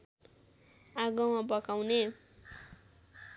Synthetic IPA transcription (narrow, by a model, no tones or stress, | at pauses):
aɡʌmabʌkawne